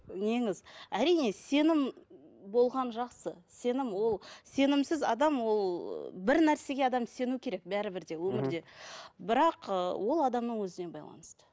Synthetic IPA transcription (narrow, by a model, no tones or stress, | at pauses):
ne̞ŋɪzæɾijne̞se̞nɪmbo̞lˠʁɑnʒɑqsəse̞nɪmwo̞lˠse̞nɪmsɪzɑ̰d̪ɑmwo̞l̰ˠbɪɾnæɾse̞ɡʲe̞ɑd̪ɑmse̞nukʲʰe̞ɾe̞k̚bæɾɪbɪɾd̪e̞wɵmɪɾd̪e̞bɪɾɑqəwo̞lˠɑd̪ɑmnəɴwɵzɪne̞bɑ̰jlˠɑ̰nəst̪ə̥